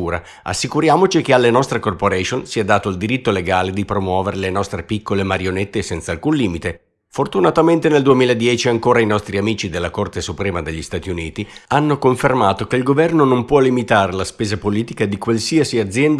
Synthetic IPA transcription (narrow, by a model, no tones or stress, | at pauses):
uːɾa̰ | a̰sːikuɾjaːmot͡ʃikealːenɔst̪ɾekorpoɾɛʃonsiad̪aːt̪oild̪iɾit̪ːoleɡaːled̪ipɾomwɔːveɾelenɔst̪ɾepikːolemaɾjonet̪ːesɛnt̪saːlkunliːmit̪e | fort̪unat̪ament̪eneld̪uemiːlaed̪jɛːt͡ʃiaŋkoːɾainɔst̪ɾiamiːt͡ʃid̪elːakort̪esupɾɛːmad̪eʎːist̪aːt̪iuniːt̪ianːokoɱfermaːt̪okeilɡovɛrnonompwɔlːimit̪aːɾelaspeːzapoliːt̪ikad̪ikwalsiasiad̪zjɛnd̪